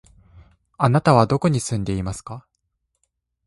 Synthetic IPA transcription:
anat̪aβ̞ad̪o̞ko̞ɲ̟isɨ̃nd̪e̞imasɨ̥ka

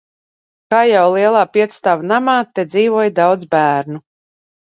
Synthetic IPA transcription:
kaːjawlˠiɛlˠaːpiɛt̪st̪aːvanamaːt̪ɛd̪ziːvuɔjd̪awd̪zbæːɾnu

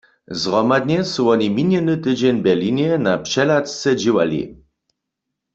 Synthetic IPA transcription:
zʁɔmad̪̚ɲɛsuɔɲiminjɛnɨt̪ɨd͡ʑɛɲbɛliɲɛnapʂɛlatst͡sɛd͡ʑiwa̰lḭ

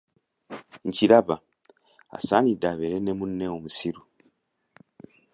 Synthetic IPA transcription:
ɲciɾaβa | a̰saːnidaβeɾenemunːeomusiɾu

